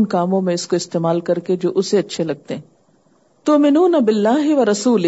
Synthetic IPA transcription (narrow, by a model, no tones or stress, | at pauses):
nkaːmõmẽɪskoɪst̪eːmaːlkɐɾked͡ʒoːʔʊseɐtːʃʰelɐɡ̚t̪eɦɛ̃ | t̪ʊmɪnuːnɐbɪlːaːɦɪʋɐɾɐsuːl